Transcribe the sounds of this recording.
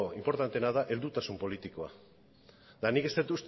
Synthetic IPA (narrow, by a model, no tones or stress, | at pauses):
oimpo̞ɾt̪ant̪e̞nað̞aʔe̞ld̪ut̪asumpo̞lit̪iko̞a̰ | d̪anike̞st̪et̪ust̪